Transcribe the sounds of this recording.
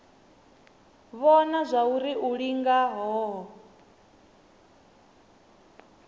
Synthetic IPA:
βɔnazʷauɾiʔuɺiŋɡaɦɔɦ

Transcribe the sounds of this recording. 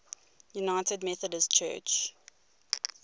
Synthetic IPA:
junaɪtədmɛθədəst͡ʃʰɜ̰ːt͡ʃ

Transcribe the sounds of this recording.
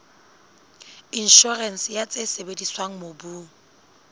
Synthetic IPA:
in̩ʃɔrɛn̩sjat͡sʼesebediswaŋ̩mobuː

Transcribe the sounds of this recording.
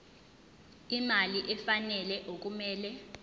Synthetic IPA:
imaliʔɛfanɛlɛʔok̬ʼumɛːlɛ

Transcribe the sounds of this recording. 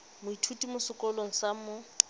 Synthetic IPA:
mʊitʰutʼimʊsɪkʼɔloŋ̩samɔ

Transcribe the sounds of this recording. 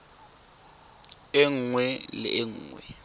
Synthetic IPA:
ɪŋwɛlɪ̰ʔeŋuːŋwɛ̰

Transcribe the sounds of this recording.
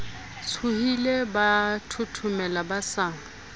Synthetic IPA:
t͡sʰuhilebatʰʊtʰʊmɛlabasaːŋ̩

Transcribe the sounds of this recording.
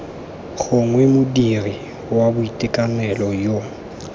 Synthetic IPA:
ɣʊŋwemʊdiri | wabʊitʼɪkʼanɛlɔjo

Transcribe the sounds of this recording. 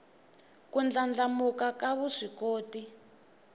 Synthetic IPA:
kund͡ɮand͡ɮamukakaβuʂikoːti

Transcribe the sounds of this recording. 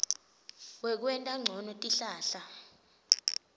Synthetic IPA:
wɛk̬wɛntʼaŋ͡ǀʱɔnɔtʼiɬaːɬa

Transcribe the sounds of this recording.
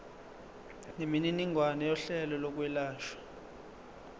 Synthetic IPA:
nemininiŋʱwanɛjɔɬɛlɔlɔk̬wɛlaːʃwḁ

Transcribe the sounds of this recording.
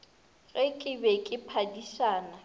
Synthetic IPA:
ɣɛkʼɪbɛkʼɪpʰadisaːna

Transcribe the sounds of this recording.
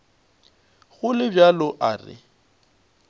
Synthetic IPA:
ɣʊlɪbjalɔʔa̰ːrɪ̰

